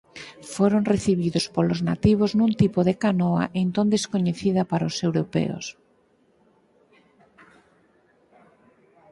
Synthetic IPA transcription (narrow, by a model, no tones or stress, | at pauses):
foɾoŋreθiβ̞iðospolozna̰t̪iβ̞oznũnt̪ipoðekanoa̰ʔent̪õnd̪eskoɲeθiðɐpaɾaosewɾopɛ̰o̰s